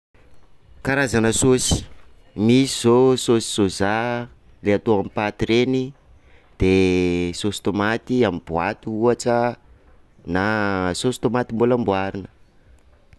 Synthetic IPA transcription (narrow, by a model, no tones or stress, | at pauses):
kaɾazanəsosi̥ | misiz̥ososi̥soza | leat̪oamipat̪iɾeni | d̪̥esosi̥t̪omat̪iamib̥wat̪uuaʈ͡ʂə | nasosi̥t̪omat̪imbulambwaɾinə̥